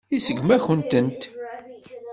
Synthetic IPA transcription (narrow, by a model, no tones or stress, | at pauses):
isəɡmæçənt̪ənt̪